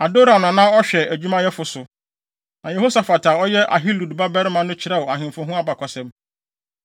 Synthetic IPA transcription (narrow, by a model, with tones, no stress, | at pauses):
a˨do˦ɾa˨nʊ̃˨nã˦ɔ˦ɕᶣɛ˨æ˨d͡ʑᶣu˦mã˦jɛ˦fʊ˨sʊ˨ | nã˨jɛ˨ɦo˦sa˨fa˨tʰa˨ɔ˦jɛ˦ʔa̰˨ɦi˦lu˨dba˦bɛ˦ɾɪ˦mã˦nʊ̃˦t͡ɕʰɪ˨ɾɛ˦wɔ˨a˨ɦɪ̃˨mfʊ̃˦ɦũ˦a˦ba˨kʰɔ˨sɛ̃˦m